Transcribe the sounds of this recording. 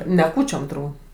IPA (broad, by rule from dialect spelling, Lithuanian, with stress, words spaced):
nʲɛ ˈkuːt͡ʃʲoːm tʊrˈbuːt